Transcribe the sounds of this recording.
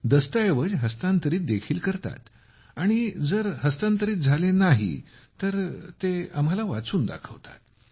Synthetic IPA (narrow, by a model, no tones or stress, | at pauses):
d̪əst̪əjeʋəd͡ʑɦəst̪ant̪əɾiːt̪̚d̪ekʰiːlkəɾt̪a̰t̪ | aɽ̃id͡zəɾɦəst̪ant̪əɾiːt̪̚d͡zʱalenaɦḭ | t̪əɾt̪eamɦalaʋat͡suːnd̪a̰kʰəʋt̪a̰t̪̚